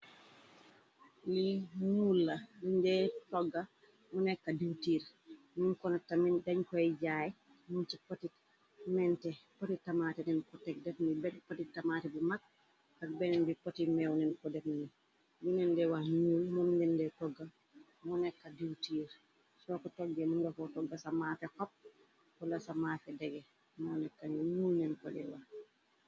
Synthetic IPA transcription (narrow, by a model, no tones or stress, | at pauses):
limulːaduɲdɛtɔɡːa | munɛkːadiwtiːɾ | munkɔnatamindaɲkɔɛɟaj | munt͡ʃipotit | mɛntɛpotitamatɛnɛnkɔtɛk̚dɛfnibɛtpɔtitːamatɛbumak̚ | kak̚bɛnɛnbipotimɛwnɛnkɔdɛfni | bunɛndɛwahɲuːlmɔmdɛndɛtɔɡːa | mɔnɛkːadiwtiːɾ | sɔkɔtɔɡːɛmunɡɔfɔtɔɡːasamafɛkɔp̚ | kɔlasamaːfɛdɛɡɛ | mɔnɛkːaniɲulnɛnkɔdɛwa